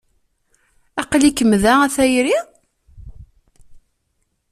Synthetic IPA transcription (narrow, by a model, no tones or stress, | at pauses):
æqlikːəmðææθæjɾi